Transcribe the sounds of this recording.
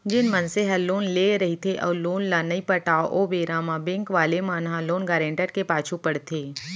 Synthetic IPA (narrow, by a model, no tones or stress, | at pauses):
d͡ʒɪnmɐnseɦɐlːoːnleɾɐɦit̪ʰeʔɔːloːnlanɐipɐʈaːoʔoːbeːɾaːmabɛ̃ŋkʋaːlemaːnɦaloːnɡaːɾẽːɳʈəɾkepaːt͡ʃʰupɐɽt̪ʰeː